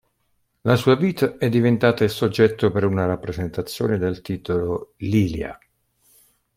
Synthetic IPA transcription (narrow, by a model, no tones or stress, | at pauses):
lasuːaviːt̪aɛd̪ːivent̪aːt̪aisod͡ʒːɛt̪ːopeɾunaɾapːɾezent̪at̪sːjo̰ːned̪elt̪iːt̪ololiːlja̰